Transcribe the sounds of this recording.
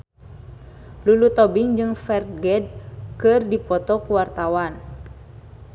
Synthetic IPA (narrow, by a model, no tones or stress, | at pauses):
lulut̪ɔbɪŋd͡ʒɨŋfɛrt̪̚ɡɛd̚kɨrdipɔt̪ɔkuwart̪awan